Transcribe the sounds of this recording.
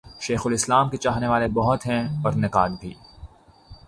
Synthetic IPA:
ʃeːxʊlɪslaːmket͡ʃaːɦneʋaːlebɔɦʊt̪ɦɛ̃ɔɾnɪkaːd̪bʱḭː

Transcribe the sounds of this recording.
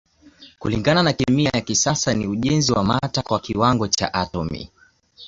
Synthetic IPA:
kuliŋɡananakɛmiajakisasaniuʄɛnziwamatakwakiwaŋɡɔt͡ʃa̰ʔatɔmḭ

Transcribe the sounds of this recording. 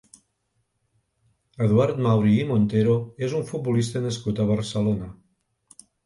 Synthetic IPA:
eðwaɾt̪mawɾiːmont̪eɾoezuɱfut̪̚bolist̪aneskut̪aβaɾselona

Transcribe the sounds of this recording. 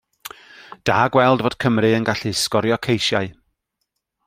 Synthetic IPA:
d̥aːɡwɛlˠdvoːd̥kʰəmrɨənɡaɬɨskɔɾjɔkʰejʃjaɨ

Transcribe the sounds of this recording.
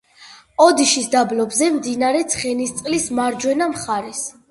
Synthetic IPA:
ɔd̪iʃisd̪ablɔbzɛmd̪inaɾɛt̪sʰχɛnist̪sʼqʼlismaɾd͡ʒwɛnamχaɾɛs

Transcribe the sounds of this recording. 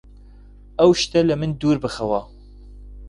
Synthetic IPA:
ɐwʃt̪ɐlɐmɨnd̪uːɾbɨxɐwɑ

